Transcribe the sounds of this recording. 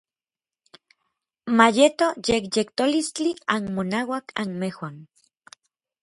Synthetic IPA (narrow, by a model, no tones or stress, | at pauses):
majet̪ojekjekt̪olist͡ɬianmonawakʰa̰nmehwan